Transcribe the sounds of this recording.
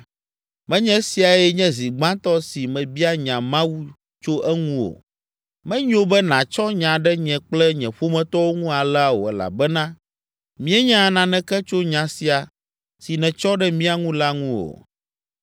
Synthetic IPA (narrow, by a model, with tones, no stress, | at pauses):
mɛ̃˦ɲɛ̃˦si˨a˨ɛ˦ɲɛ̃˦zi˨ɡ͡bã˦t̪ɔ˦si˨mɛ̃˨bi˦a˦ɲã˨mã˦wu˦ | t͡ʃo˦ʔɛ˦ŋũ˦o̰˨ | mɛ̃˦ɲõ˦bɛ˦nã˨t͡ʃɔ˦ɲã˨ɖɛ˦ɲɛ̃˨k͡plɛ˦ɲɛ̃˨ɸo˦mɛ̃˦t̪ɔ˦wo˦ŋũ˦a˨lɛ˦a˨wo̰˨ɛ˨la̰˨bɛ˦nã˦ | mĩ˦ɛ˦ɲã˦˨nã˨nɛ̃˨kɛ˦t͡ʃo˦ɲã˨si˨a˨ | si˨nɛ̃˨t͡ʃɔ˦ɖɛ˦mĩ˦a˨ŋũ˦la˦ŋũ˦o̰˨